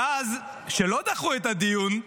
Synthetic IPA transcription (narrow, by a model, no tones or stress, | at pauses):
az | ʃelo̞d̪aχuet̪ad̪ijun